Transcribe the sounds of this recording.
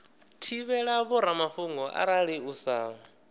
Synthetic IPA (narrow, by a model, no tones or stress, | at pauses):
tʰiβɛɺaβuɾamaɸuŋɡɔʔa̰ɾaɺiusaːβɔ